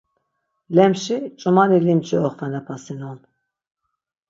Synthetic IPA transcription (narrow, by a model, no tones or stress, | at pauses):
lɛmʃit͡ʃʼumanilimt͡ʃʰʼiɔχvɛnapʰasinun